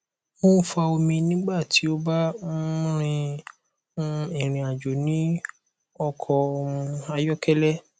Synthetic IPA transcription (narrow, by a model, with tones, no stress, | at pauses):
mõ˦fa˧o˧mĩ˧nĩ˦ɡ͡ba˦˨tʰi˨˦o˦ba˦ɾ̃ĩ˧˦˧ | ĩ˦˨ɾ̃ĩ˨a˨d͡ʒo˨nĩ˨˦ | ɔ˧kʰɔ˧o˧mũ˧a˧jɔ˦kɛ˦lɛ˦